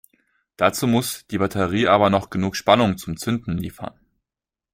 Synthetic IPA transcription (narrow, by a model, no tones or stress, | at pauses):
d̥at͡suːmʊsd̥iːbatʰɛʁiːʔaːbɐnɔχɡ̥ənuːkʃpanʊŋt͡sʊmt͡sʏndn̩lḭːfɐ̰n